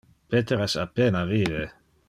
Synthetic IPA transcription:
pet̪eɾɛsapenaviːve

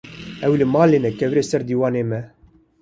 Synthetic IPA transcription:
ɛwlɨmɑːleːnɛkɛvɾeːsɛɾd̪iːwɑːneːmɛ

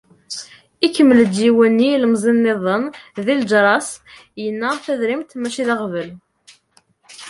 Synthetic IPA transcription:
ikːəmːələd̪jiwænːiləmzˤinːeðˤənðild͡ʒɾˤɑsjənːæθæðɾimt̪mæʃiðɑʁvəl

